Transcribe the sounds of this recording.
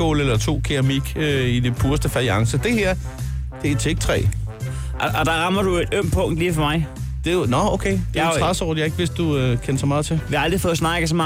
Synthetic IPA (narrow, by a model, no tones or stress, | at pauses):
o̰ːlelɐt͡sʰo̝̰ːkʰiʁɐmiɡ̥øid̥epʰuːɐsd̥əfæiɑ̈ŋsəd̥e̝hæɐ̰d̥e̝t͡sʰeɡ̥̚t͡sʰʁɛ̰ː | ʔɒd̥ɑʁɑ̈mɐɾ̥ue̝d̥øm̰pʰɔ̽ŋ̰d̥liːfɒmɑ̈ɪd̥e̝nɒoʊkʰḛːd̥e̝t͡sʁasɒʊ̰dˠjɑ̈ɪe̝ɡ̥ʋe̝sd̥ːuøkʰenɐsɒ̽mɑ̈ːð̞̩ˠt͡sʰe̝leɑld̥ʁifɔ̽ːsnɑ̈ɡ̥əsɒmɑ